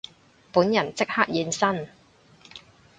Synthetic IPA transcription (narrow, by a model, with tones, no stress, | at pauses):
puː˨˥njɐ˨˩nt͡sɪ˥k̚ha˥k̚jiː˨˧nsɐ˥n